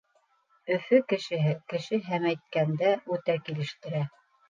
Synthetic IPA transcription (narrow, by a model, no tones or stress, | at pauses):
ɵ̆fɵkɘ̆ʃɘ̆ɦɘkɘ̆ʃɘɦæmæjt̪̚kænd̪æʉt̪ækilɘ̆ʃt̪ɘ̆ɾæ